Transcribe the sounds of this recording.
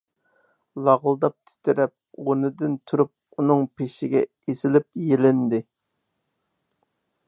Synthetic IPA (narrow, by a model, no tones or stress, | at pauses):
lˠɑʁlˠd̪ɑp̚t̪ʰɪ̥t̪ʰɪɾɛp̚onɨd̪ɪnt̪ʰuɾup̚ | unɨŋpeʃɪɡʲɛ | esɪlɪp̚jelɪnd̪ɪ